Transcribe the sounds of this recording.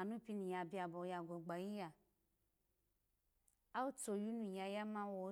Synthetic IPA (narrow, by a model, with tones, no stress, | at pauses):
a˨nũ˦pi˦nũ˨ja˨bi˦a˨bɔ˨ja˨ɡo˨ɡ͡ba˨ji˦ja˨ | a˦wu˦to˨ju˦nũ˨ja˨ja˦mã˦wɔ˨˦